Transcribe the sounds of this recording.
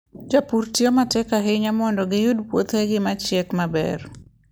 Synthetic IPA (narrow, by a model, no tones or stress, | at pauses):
d͡ʒapurtiomatɛkaɦɪɲamɔndɔɡɪjudpwot̪heɡɪmat͡ʃɛkmabɛ̰r